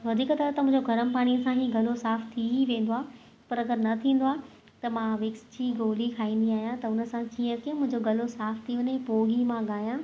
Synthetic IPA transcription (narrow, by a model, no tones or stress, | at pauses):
ʋɐd̪ʱiːkt̪ɐɾət̪ɐmʊ̃ɦɪ̃ɲd͡ʑoɡʱɐɾəmpaːɽ̃iəsãɦiːɡɐlosaːft̪ʰiʋẽːn̆d̪oaː | pɐɾɐɡəɾnɐt̪ʰĩːn̆d̪oaː | t̪ɐmãʋɪksd͡ʑʰiɡoːlikʰaːĩːn̆d̪iaːɦijãt̪ɐʊnə̆sãkiːə̃kiə̃mʊ̃ɦɪ̃ɲd͡ʑoɡɐlosaːft̪ʰiʋɐɲepoːɡimãɠaːjãː